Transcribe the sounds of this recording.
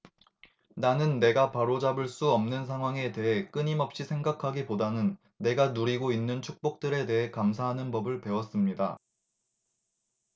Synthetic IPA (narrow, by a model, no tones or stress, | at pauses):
nanɯnːe̞ɡapaɾod͡ʑabɯɭs͈uʌmnɯnsʰaŋɦwaŋe̞te̞ɦe̞k͈ɯɲimʌp̚ɕ͈isʰeŋɡakʰaɡipodanɯnː | e̞ɡanuɾiɡoinːɯnt͡ɕʰuk̚p͈ok̚t͈ɯɾe̞de̞ɦe̞kamsʰaɦanɯnbʌbɯɭpe̞wʌs͈ɯmɲida